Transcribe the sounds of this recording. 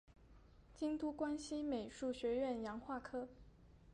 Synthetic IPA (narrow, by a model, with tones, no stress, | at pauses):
t͡ɕi˥ŋt̪u˥kwa˥nɕi˥me˨˩ɪʂu˥˩ɕɥɛ˧˥ɥɛ˥˩njɑ˧˥ŋxwa˥˩kʰɤ˥